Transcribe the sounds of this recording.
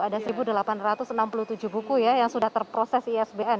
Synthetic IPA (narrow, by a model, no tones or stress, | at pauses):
adasəɾibudəlapanrat̪ʊsnampuluht̪ud͡ʒuhbukujajaŋsudaht̪ərpɾosɛsiɛsbeɛn